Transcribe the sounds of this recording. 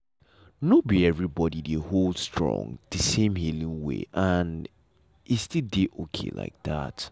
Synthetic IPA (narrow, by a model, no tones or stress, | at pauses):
nobiɛvɹibɔɾideholˠdstɹ̥ɔ̰̃ŋð̥əsẽmhilĩŋwḛʔə̃n | itstildeʔokʰḛla̰ɪk̚ða̰t